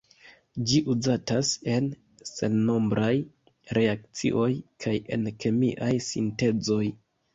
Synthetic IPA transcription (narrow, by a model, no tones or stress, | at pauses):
d͡ʒiʔuzatase̞n | se̞nːo̞mbɾaj | ɾe̞akt͡sḭʔo̞jkʰaje̞̰nkʰe̞mḭʔajsinte̞d͡zo̞j